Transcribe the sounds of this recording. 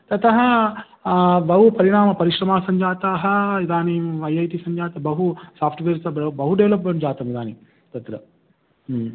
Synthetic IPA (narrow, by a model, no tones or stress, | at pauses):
t̪ɐt̪ɐɦɐ | ʋɐɦupɐɾiɳaːmɐpɐɾiʃɾɐmaːsɐɲd͡ʒaːt̪aːɦɐid̪aːniʋɐjɐjt̪isɐɲd͡ʒaːt̪ɐbɐɦusaːpʰʈʋeːɾt̪ɐbɐbɐɦuɖeʋlɐpmeɳʈd͡ʒaːt̪ɐmid̪aːni | t̪ɐt̪ɾɐ